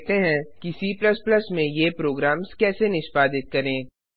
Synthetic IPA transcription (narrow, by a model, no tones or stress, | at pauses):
t̪eɦɛ̃kisiːplɐsplɐsmẽjepɾoːɡɾaːmskɛːsenɪʃpaːd̪ɪt̪̚kɐɾẽː